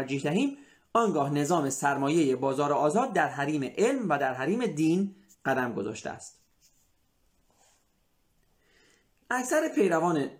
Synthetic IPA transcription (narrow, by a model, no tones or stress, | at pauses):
ɾd͡ʒiːhd̪æɦiːm | ɒːŋɡɒːhne̞zɒːme̞sæɾmɒːje̞jebɒːzɒːɾoɒːzɒːd̪̚ːæɾɦæɾiːmeʔelmvæd̪æɾɦæɾiːme̞d̪iːn | ɢ̥æd̪æmɡo̞zɒ̰ːʃt̪ḛæ̰st̪ | ʔæcsæɾepʰe̞jɾævɒːne